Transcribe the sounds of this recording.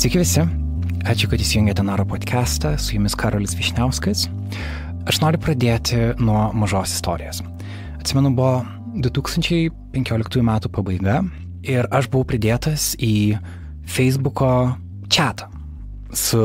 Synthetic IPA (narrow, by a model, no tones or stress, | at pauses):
sʲɪkʲɪʋʲɪsʲɪɑːt͡ʃʲʊkɐt̪ɪʃsʲɪjʊŋɡʲɛːt̪ʲɛnɑːɾoːpoːt̪ʲkʲʰæːst̪ɐsʊjʊmʲɪskʰɑːɾoːlʲɪsʋʲɪʃʲnʲɛʊskɐɪs | ɐʃnoːɾʲʊpɾɐd̪ʲeːt̪ʲɪnuɔmɐʒoːsɪ̥st̪o̰ːɾʲɪjoːs | ɐt̪ʲsʲɪmʲɛnʊbʊʋo | d̪ʊt̪uːkst̪ɐnʲt͡ʃʲɛɪpʲɛŋʲkʲoːlʲɪkt̪uːjumʲæːt̪uːpɐbɐɪɡɐ | ɪɾɐʃbʊʋɐʊpʲɾʲɪd̪ʲeːt̪ɐsiː | fʲɛɪzbʊkoː | t͡ʃʲæːt̪ʰɐ̥ | sʊ